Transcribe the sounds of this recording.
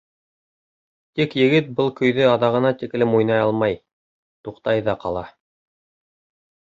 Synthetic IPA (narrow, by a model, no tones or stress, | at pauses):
t̪ikjɘ̆ɡɘt̪̚bɤlˠkɵ̆jðɵɑðɑʁɤ̆nɑt̪ik̆lɘmujnɑjɑlˠmɑj | t̪uqt̪ɑjðɑqɑlˠɑ